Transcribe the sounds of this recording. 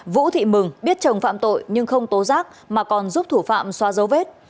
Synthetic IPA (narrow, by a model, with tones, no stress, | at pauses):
vṵ˧˥t̪ʰḭ˧˨mɨ˨˩ŋɓi˦˥ət̚t͡ɕə˨˩nfa̰ː˧˨mt̪o̰˧˨jɲɨ˧ŋxə˧wŋ͡mt̪o˨˦zaː˦˥k̚ | maː˨˩kɔ˨˩nzu˦˥p̚t̪ʰu˧˩fa̰ː˧˨mswaː˧zə˨˦wve˦˥t̚